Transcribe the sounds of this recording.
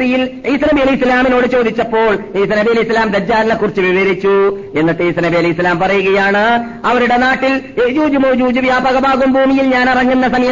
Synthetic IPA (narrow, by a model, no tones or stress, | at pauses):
bijiliːsinɐbijɐlislaːmino̞ːɽɨt͡ɕo̞ːd̪ʱit͡ɕːɐpːo̞ːɭiːsinɐbijɐlɐislaːmd̪ɐd͡ʑːaːɾɐnːɐkːurit͡ɕːɨʋiʋɐɾit͡ɕːue̞nːit̪ːeːsinɐbijɐlɐislaːmpɐrɐjuɣɐjaːɳɨ | ɐʋɐɾuɽe̞naːʈːiled͡ʑuːd͡ʑumuːd͡ʑuːd͡ʑiʋjaːbɐɣɐbaːɣumbʱuːmijilɲaːnirɐŋːunːɐsɐmɐjɐ